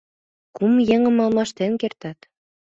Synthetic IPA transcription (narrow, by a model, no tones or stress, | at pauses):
kumjĕŋɤ̆mɑlˠmɑʃt̪enkert̪ɑt̪